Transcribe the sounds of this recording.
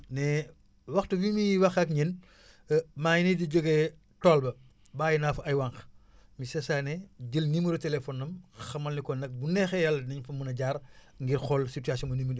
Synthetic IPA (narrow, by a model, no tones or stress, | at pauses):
nɛ | wɐxtubimiwɐxɐkɲɛn | maːjinidiɟoɡɛ | tɔːlbɐ | baːjinafuɐjwɐŋx | misɛsaːnɛɟəlnimuɾutɛlefɔnɐmxɐmɐlnikɔnɐk̚bunɛxɛjɐlniɲfɐmunɐɟaːɾ | ŋɡiɾxɔlsituaːsjɔnmɐniməd